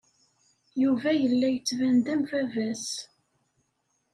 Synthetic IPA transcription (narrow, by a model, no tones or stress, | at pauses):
juvæjəlːæjət͡sːvænd̪æmvævæs